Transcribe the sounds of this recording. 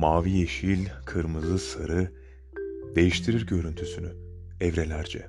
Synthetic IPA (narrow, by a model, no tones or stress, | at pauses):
maːvijeʃilʲkʰɯɾmɯzɯsɯɾɯ | d̪e̞jiʃt̪ʰiɾiɾɟø̞ɾynt̪ʰysyny | ɛvɾe̞lʲæɾd͡ʒɛ̰